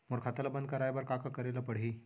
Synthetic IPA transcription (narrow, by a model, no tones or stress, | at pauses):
moɾkʰat̪əlabənd̪kəɾajbəɾkakakəɾelapəɽ̤i